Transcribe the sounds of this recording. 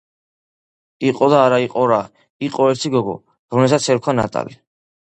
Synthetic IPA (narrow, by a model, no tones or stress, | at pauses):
iqʼɔd̪aːɾaiqʼɔɾa | iqʼɔɛɾt̪ʰiɡɔɡɔ̰ | ɾɔmlɛsat̪sʰɛɾkʰwana̰t̪ʼa̰li